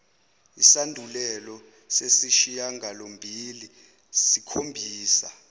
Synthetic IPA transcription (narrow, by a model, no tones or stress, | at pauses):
isandʱulɛlɔ | sesiʃijaŋʱalombʱili | sikʰombʱiːsa